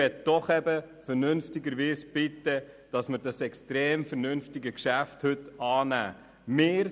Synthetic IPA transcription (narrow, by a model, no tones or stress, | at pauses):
ɛt̚d̥ɔχɛbəfəɾnɵnftɪɡəɾʋiːsb̥ɪtːə | d̥ɑsməɾd̥ɑsɛkstɾeːmfəɾnʏnftɪɡəkʃæfthɵtɑːnæ̰ː | mɪːɾ